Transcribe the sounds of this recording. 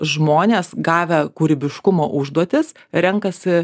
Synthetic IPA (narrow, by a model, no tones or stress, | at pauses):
ʒmoːnʲeːsɡɑːʋʲɛkuɾʲɪbʲɪʃkʊmoːʔʊʒd̪uɔt̪ʲɪs | ɾʲɛŋkɐsʲɪ